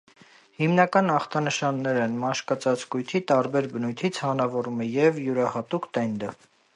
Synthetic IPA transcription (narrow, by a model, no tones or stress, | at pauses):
himnɑkɑnɑχt̪ʰɑnəʃɑnːɛɾɛnmɑʃkɑt͡sɑt͡skujt̪ʰit̪ɑɾbɛɾbənujt̪ʰit͡sʰhɑnɑvɔɾumɛjɛvjuɾɑhɑt̪ukt̪ɛnd̪ə